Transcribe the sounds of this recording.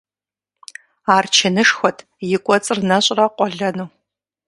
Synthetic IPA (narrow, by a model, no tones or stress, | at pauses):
aːrt͡ʃʰɐnɨʂxʷɔtʰ | jɪkʷʼɔt͡sʼɨrnɐɕʼrɐqʷʼɔɮɐnuː